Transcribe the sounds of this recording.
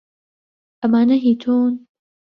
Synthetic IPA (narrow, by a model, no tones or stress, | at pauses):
ʔɐmaːnɐɦiːt̪ʰoːn